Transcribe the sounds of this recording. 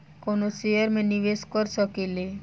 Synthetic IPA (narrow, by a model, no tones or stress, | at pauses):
konosejəɾmẽniʋeskɔɾsəkele